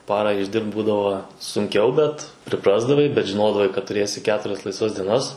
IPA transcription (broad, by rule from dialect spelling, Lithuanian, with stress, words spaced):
ˈpɑːrɑː ɪʒʲˈdʲɪrpt ˈbuːdɐʋoː sʊŋʲˈkʲɛʊ ˈbʲɛt pʲrʲɪˈprɑːzdɐʋɐɪ bʲɛt ʒʲɪˈnoːdɐʋɐɪ kɐt tʊˈrʲeːsʲɪ ˈkʲæːtʊrʲɛs lˠɐɪsˈʋɐs dʲiɛˈnɐs